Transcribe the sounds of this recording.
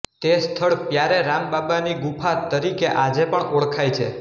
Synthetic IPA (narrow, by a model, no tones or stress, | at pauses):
t̪est̪ʰəɭpjaɾeɾambabaniɡupʰat̪əɾikeʔad͡ʒepəɳoɭkʰajt͡ʃʰḛ